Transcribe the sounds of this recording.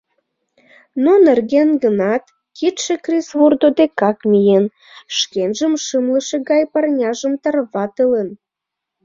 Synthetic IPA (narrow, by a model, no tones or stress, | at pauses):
nonerɣenɡənɑt̪ | kit̪ʃekrisβurd̪od̪ekɑkmʲijen | ʃkenʒəmʃɨmləʃeɣɑjpɑrnʲɑʒəmt̪ɑrβɑt̪ələn